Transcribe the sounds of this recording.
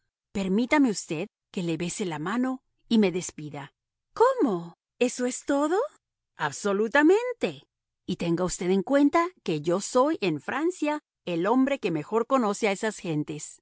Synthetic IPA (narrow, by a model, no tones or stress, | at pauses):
pe̞ɾmit̪ame̞ust̪e̞ð | ke̞le̞βe̞se̞lamano̞ | ime̞ðe̞spiða | ko̞mo̞ | e̞so̞e̞st̪o̞ðo̞ | aβso̞lut̪amẽ̞nt̪e̞ | it̪e̞ŋɡaust̪e̞ðe̞ŋkwe̞nt̪ake̞ʝo̞so̞jʔenfɾʔansja | elo̞mbɾe̞ke̞me̞xo̞ɾko̞no̞se̞ae̞sasxe̞nt̪e̞s